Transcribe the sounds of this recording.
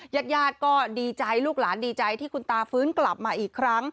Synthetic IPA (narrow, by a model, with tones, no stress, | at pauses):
jaː˥˩t̪̚jaː˥˩t̪̚kɔː˥˩diː˧t͡ɕa˧jluː˥˩k̚laː˩˦ndiː˧t͡ɕa˧jt̪ʰiː˥˩kʰu˧nt̪aː˧fɯː˦˥nkla˨˩p̚maː˧ʔiː˨˩kʰːɾa˦˥ŋ